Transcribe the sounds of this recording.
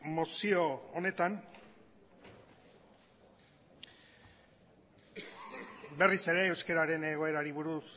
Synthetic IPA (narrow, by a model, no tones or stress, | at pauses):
mo̞sio̞one̞t̪an | be̞rise̞ɾe̞ːwske̞ɾaɾe̞ne̞ɣ̞o̞e̞ɾaɾiβuɾus